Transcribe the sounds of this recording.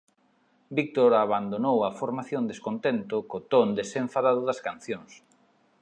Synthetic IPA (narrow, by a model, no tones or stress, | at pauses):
bik̚t̪oɾaβand̪onowɐfoɾmaθjond̪eskont̪ent̪okot̪ond̪esẽɱfaðaðʊðɐskan̟θjoŋs